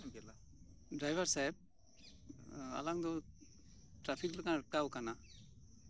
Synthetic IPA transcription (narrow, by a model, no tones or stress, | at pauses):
l | dɾajbaɾsajp̚ | a̰laŋdɔ | tɾapʰiklakaɯkawkana